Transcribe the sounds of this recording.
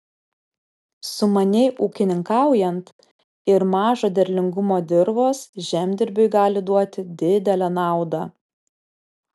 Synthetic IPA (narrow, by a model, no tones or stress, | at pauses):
sʊmɐnʲɛɪʔuːkʲɪnʲɪŋkɑˑʊjɛnt̪ | ɪɾmɑːʒoːd̪ʲɛɾʲlʲɪŋɡʊmoːd̪ʲɪɾʋoːsʒʲæːˑmʲd̪ʲɪɾʲbʲʊɪɡɑːlʲɪd̪uɔt̪ʲɪd̪ʲɪd̪ʲɛlʲɛnɑˑʊd̪ɑ